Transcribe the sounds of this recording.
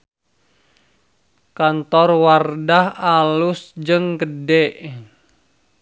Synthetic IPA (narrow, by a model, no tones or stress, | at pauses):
kant̪ɔrwardahalʊsd͡ʒəŋɡədɛʔ